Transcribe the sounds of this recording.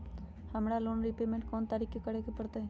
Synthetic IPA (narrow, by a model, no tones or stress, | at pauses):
hɐmɽaloːnɾipeːmẽɳʈkɔːnt̪aːɾikekəɽekepɐɽt̪aɦɛ